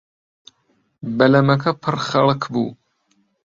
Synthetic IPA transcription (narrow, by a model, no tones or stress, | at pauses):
bɐlɐmɐkʰɐpʰɨrχɐlˠkʰbṵː